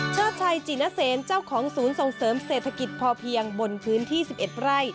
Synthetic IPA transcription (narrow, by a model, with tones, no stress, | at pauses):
t͡ɕʰaː˥˩t̚t͡ɕʰa˧jt͡ɕi˨˩na˧˥seː˨˩˦nt͡ɕa˥˩wkʰɔː˩˦ŋsuː˩˦nso˨˩ŋsɤː˩˦mseː˨˩t̪ʰa˧ki˨˩t̪̚pʰɔː˧pʰi˧əŋbo˧npʰɯː˦˥nt̪ʰiː˥˩si˨˩p̚ʔe˨˩t̪̚ɾa˥˩j